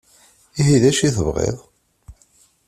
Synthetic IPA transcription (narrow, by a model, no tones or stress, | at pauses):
iɦiðæʃiθəvʁḛðˤ